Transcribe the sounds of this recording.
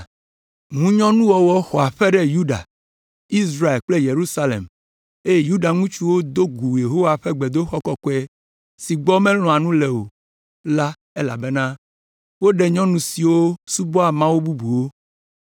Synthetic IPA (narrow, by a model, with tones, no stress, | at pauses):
ŋũ˦ɲɔ̃˦nũ˦wɔ˦wɔ˦xɔ˨a˨ɸɛ˦ɖɛ˦ju˦ɖa̰˨ | i˦sɾa˦˨e˨lk͡ple˦je˨ɾu˦sa˦lḛ˨m | e˦je˦ju˦ɖa˨ŋũ˦t͡ʃu˦wo˦d̪o˦ɡu˨je˨ɦo˦wa˨ɸɛ˦ɡ͡be˨d̪o˦xɔ˦kɔ˦kɔ˦ɛ˦ | si˨ɡ͡bɔ˦mɛ̃˦l̃ɔ̃˨a˨nũ˦le˨o˨ | la˦ | e˦la̰˨bɛ˦nã˦ | wo˦ɖɛ˨ɲɔ̃˦nũ˨si˨wo˦su˦bɔ˦a˨mã˦wo˦bu˦bu˨wo˦